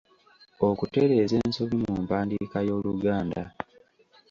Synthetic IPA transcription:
okute̞ɾe̞ːze̞ːnsoβimuːmpaːndikajo̞ːluɡaːnda

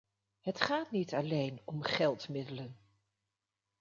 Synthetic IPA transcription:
ɦətχaːtnitɑlejnɔmχɛlˠtmɪdələn

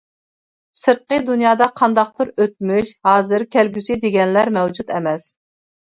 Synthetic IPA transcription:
sɨɾt̪̚qəd̪unjɑːd̪ɑqʰɑnd̪ɑqt̪ʰuɾøt̪̚myʃhɑːzɨɾkʲʰælɡʲysid̪eɡʲɛnlæɾmɛwd͡ʒut̪ɛmɛs

